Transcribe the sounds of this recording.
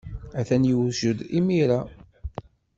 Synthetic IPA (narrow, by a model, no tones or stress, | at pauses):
æθænjuwʒəd̪imiɾa